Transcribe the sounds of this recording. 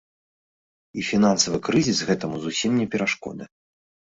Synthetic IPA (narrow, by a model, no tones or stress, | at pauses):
ifʲinansɐvɨkɾɨzʲisɣɛt̪ɐmuzusʲimnʲɛpʲɛɾaʂkɔ̰d̪ɨ̰